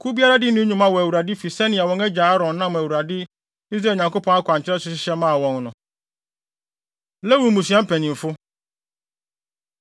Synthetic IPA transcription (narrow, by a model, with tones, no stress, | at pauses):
kʰu˦bi˦a˦ɾa˦dɪ˦nʊ̃˦ɲũ˨mã˨wɔ˨æ˨wu˨ɾa˨dɪ˦fi˨sɛ˦nɪ̃˨a˨wɔ̃˨ŋɛ˦d͡ʑa˨a˦ɾɔ̃˨nːã˦mæ˨wu˨ɾa˨dɪ˦ | i˦s̬ɾa˨ɲã˨ŋko˦pʰɔ̃˦ŋa˦kʰʷʊ˨a˨ɲ̩˨t͡ɕʰɪ˦ɾɛ˦sʊ˦ɕɪ˦ɕɛ˦mã˦˨wɔ̃˨nnʊ̃˨ | lɛ˦wu˨mũ˨su˨a˦m̩˦pʰɛ̃˨nĩ˨m˨fʊ˦